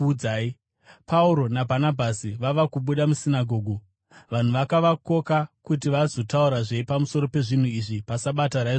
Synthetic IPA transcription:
aːi | pauɾo̞nabʱanabʱasiʋaʋakuɓuɗamusinaɡʱo̞ːɡʱo | ʋan̤uʋakaʋako̞kakutiʋazo̞tauɾaʐe̞ipamuso̞ɾo̞pe̞ʐin̤uiʐipasaɓataɾaiʐ

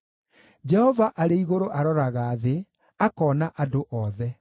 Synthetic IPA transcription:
d͡ʒɛhɔvaʔaɾeiɣoɾoʔaɾɔɾaɣaːðe | akɔːnaʔadoʔɔðɛ

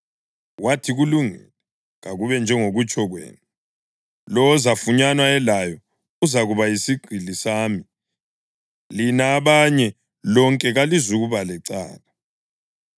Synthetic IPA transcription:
watʰiɣuluŋɛ̰lɛ | ɣaɣuβɛnd͡ʒʱɛŋoɣut͡ʃʼɔɣwḛːnu | lɔzafuɲanwaɛlajɔ | uzaɣuβajisiɡ͡ǀʱilisaːmi | linaːβaɲɛ | lɔŋkʼɛɣalizuɣuβalɛǀa̰ːla

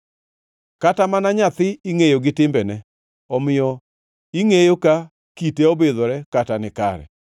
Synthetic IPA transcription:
katamanaɲat̪ɪiŋejoɡɪtɪmbɛnɛ | ɔmɪjɔ | iŋejoka | kiteɔbeðɔɾɛkatanɪka̰ɾɛ̰

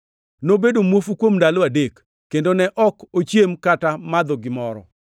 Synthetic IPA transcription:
nobedomwofukwomndaloadekː | endonɛʔɔkot͡ʃjemkatamad̪oɡɪmɔɾɔ̰

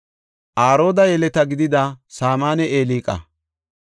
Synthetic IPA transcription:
ʔaːɾo̞ːd̪ɐjɛlɛt̪ɐɡɪd̪ɪd̪ɐsaːmaːnɛeːliːkʼɐ̰

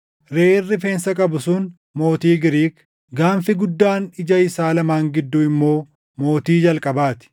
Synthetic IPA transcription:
ɾeːɪrːɪfe̞ːnsɐkʼɐbʊsʊn | mo̞ːt̪iːɡɪɾiːk | ɡaːnfɪɡʊd̪ːaːnɪd͡ʒɐɪsaːlɐmaːŋɡɪd̪ːʊɪmːo̞ː | mo̞ːt̪iːd͡ʒɐlkʼɐbaːt̪ɪ̥

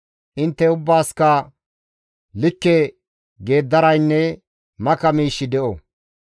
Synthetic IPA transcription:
ʔɪnt̪ːɛʊbːaːskɐ | lɪkːɛ | ɡe̞ːd̪ːɐɾɐjnːɛ | mɐkɐmiːʃːɪd̪ɛʔɔ

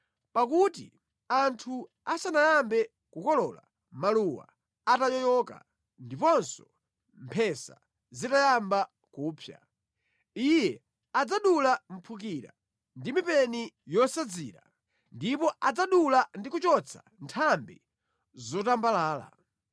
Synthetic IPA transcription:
pakutḭ | antʰu | asanajambɛ | kukɔlɔːla̰ | maluwa̰ | atajɔjɔka̰ | ndipɔnsɔ̥ | mpʰɛsa̰ | zitajamba | kuːpʰja̰ | ijɛ | ad͡zaɗulam̩pʰuk̬iɾa̰ | ndimipɛnijɔsad͡zḭːɾa̰ | ndipɔʔad͡zaɗulandikut͡ʃɔt͡sʰa | ntʰambi | zɔtambalaːla̰

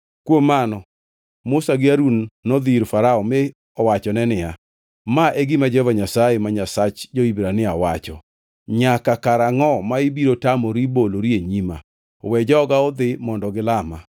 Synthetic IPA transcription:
kwomːanɔ | mʊsaɡɪaɾunːɔd̪iɾfaɾaɔme | ɔwat͡ʃɔnɛnɪja | maʔeɡɪmad͡ʒɛvaɲasajemaɲasat͡ʃd͡ʒoibɾanɪawat͡ʃɔ̰ | ɲakakaɾaŋɔmaɪbiɾotamɔɾiboloɾieɲima̰ | wɛd͡ʒɔɔɡaɔd̪ɪmɔndɔɡɪlama̰

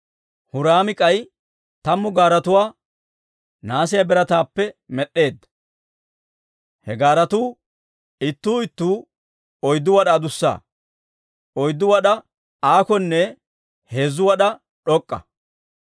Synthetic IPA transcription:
hʊɾaːmɪkʼɐj | t̪ɐmːʊɡaːɾɐt̪ʊwaː | naːsɪjɐbɛɾɐt̪aːpːɛmɛɗːe̞ːd̪ːɐ | hɛɡaːɾɐt̪uː | ɪt̪ːuːɪt̪ːuː | ɔjd̪ːʊwɐɗaːd̪ʊsːa̰ː | ɔjd̪ːʊwɐɗɐ | aːkɔnːɛ | he̞ːzʊwɐɗɐ | ɗɔkʼːɐ̰

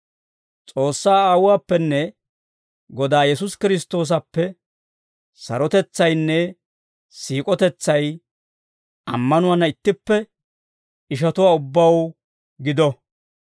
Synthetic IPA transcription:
t͡sʼo̞ːsːaːaːwʊwaːpːɛnːɛ | ɡɔd̪aːjɛsʊskɪɾɪs̬t̪ːo̞ːs̬ɐpːɛ | sɐ̰ɾɔt̪ɛt͡sːɐjnːɛ | siːkʼɔt̪ɛt͡sːɐj | ɐ̰mːɐnʊwanːɐɪt̪ːɪpːɛ | ɪʃ̬ɐt̪ʊwaːʊbːɐw | ɡɪd̪ɔ

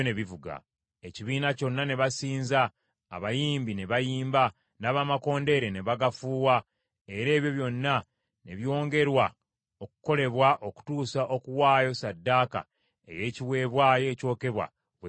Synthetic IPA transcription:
neβivuɡa̰ | eciβiːnaco̞nːane̞βasiːnza̰ː | βajiːmbine̞βajiːmba | naːβamako̞ːnde̞ɾe̞ne̞βaɡafuːwa | e̞ɾe̞ːβjo̞βjo̞nːa | ne̞βjo̞ːŋɡe̞ɾwa | oku̥ko̞le̞βwaʔo̞ku̥tuːsaʔo̞kuwaːjo̞sadːaːka̰ | ḛje̞ciwe̞ːβwaːjo̞ːco̞ːke̞βwa̰

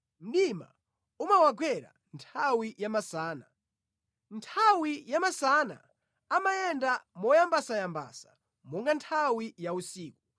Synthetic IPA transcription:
m̩ɗima̰ | umawaɡwɛɾa̰ | ntʰawijamasaːna | ntʰawijamasana̰ | amajɛndamɔjambasajamba̰sḁ | mɔŋɡantʰawijausiːku

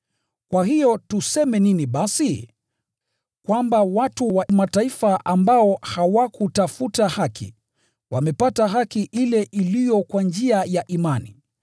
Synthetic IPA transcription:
kwaɦijɔtusɛmɛniniɓasi | kwambawatuwamataifaʔambaɔhawakutafutahakʰḭ | wamɛpataɦakiʔilɛʔilijɔkwand͡ʒiajaʔimanḭ

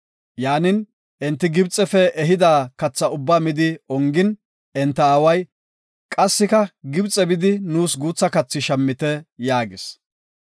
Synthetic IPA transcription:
jaːnɪn | ʔɛnt̪ːɪɡɪbt͡sʼɛfɛʔɛɦɪd̪aːkɐt͡sːɐʊbːaːmɪd̪ɪɔŋɡɪn | ɛnt̪ːɐaːwɐj | kʼɐsːɪkɐɡɪbt͡sʼːɛbɪd̪ɪnuːsɡuːt͡sːɐkɐt͡sːɪʃɐmːɪt̪ɛjaːɡɪs

